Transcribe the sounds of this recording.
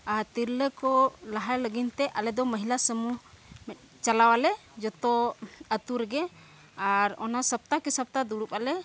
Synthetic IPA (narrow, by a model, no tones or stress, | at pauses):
aɾt̪iɾləkɔlaɦaɾləɡint̪ɛʔalɛd̪ɔməɦilasəmu | mɛt̪̚ˀ | t͡ʃalawalɛ | d͡ʒɔt̪ɔət̪uɾɛɡɛ | aɾɔ̰nasəp̚t̪akisəp̚t̪ad̪uɽupalɛ